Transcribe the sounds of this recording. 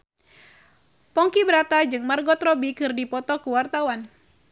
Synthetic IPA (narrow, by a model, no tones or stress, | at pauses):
pɔŋkibɾat̪ad͡ʒɨŋmarɡɔt̪rɔbikɨrdipɔt̪ɔkuwart̪awan